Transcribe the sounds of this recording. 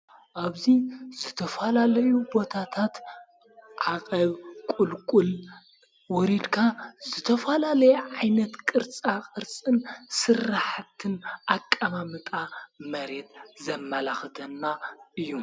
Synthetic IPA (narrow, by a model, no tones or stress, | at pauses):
ʔaβziz̥ɨt̪ʰɐfɐlalɐjubo̞t̪ʰat̪ʰat̪ | ʕaqʼɐβkʼulkʼul | wɔɾid̪kʰaz̥ɨt̪ʰɐfɐlalɐjʕajnɐt̪kʼɨɾt͡sʼakʼɨɾt͡sʼɨnsɨrːaħt̪ʰɨnʔakʼːamamɨt̪ʼamɐɾe̞t̪̚zɐmːɐlaxt̪ʰɐnːaʔɨjːu